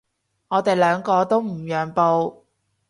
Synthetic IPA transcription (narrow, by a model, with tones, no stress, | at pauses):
ŋɔː˨˧t̪e˨jlœː˨˧ŋkɔː˧t̪o˥wm̩˨˩jœː˨˩ŋpo˧w